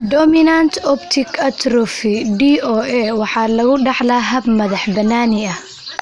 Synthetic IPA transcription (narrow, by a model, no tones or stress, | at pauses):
d̪ɔmɪnant̪ʰɔbt̪ʰɪkʰɐt̪ɾɔfɪɖiʔɔːʔɛwɑħɑːlɐɣʊɖɑħlaɦɐbmɐðɑħbɐnːaːnɪɐ